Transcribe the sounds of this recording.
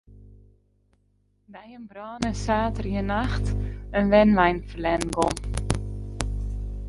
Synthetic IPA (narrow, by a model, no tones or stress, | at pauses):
dɛjənbrɔːnəsaːtərjənaxtənʋɛnʋɛjnfərlɛnɡɔm